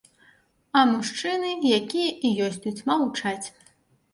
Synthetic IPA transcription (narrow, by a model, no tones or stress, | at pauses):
ɐmuʂt͡ʂɨnɨjakʲijɐʔijɔsʲt̪ʲut͡sʲmaut͡ʂat͡sʲ